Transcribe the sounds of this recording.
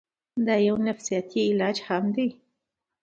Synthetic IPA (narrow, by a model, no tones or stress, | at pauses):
d̪ajawnafsijɑt̪ʰiɪlɑd͡ʒhamd̪e